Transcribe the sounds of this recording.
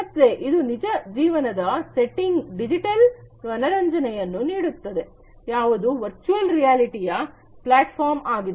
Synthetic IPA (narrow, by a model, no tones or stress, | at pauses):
ɐt̪ːɾeʔid̪unid͡ʒɐd͡ʒiːʋɐnɐd̪ɐseʈːiŋɡɖid͡ʒiʈɐl | ɐnɐɾɐɲd͡ʒɐnɛjɐnːuniːɽut̪ːɐd̪e̞ | jaːʋud̪uʋɐɾt͡ʃuɐlɾijaːliʈijɐ | plaːʈpʰaːɾmaːɡid̪